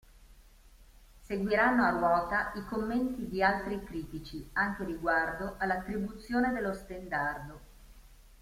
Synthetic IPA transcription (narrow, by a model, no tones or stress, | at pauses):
seɡwiɾanːoalːɔːt̪aikomːent̪id̪ialt̪ɾikɾiːt̪it͡ʃiaŋk̟eɾiɡward̪oʔalːat̪ːɾibut̪sːjoːned̪elːost̪end̪ard̪o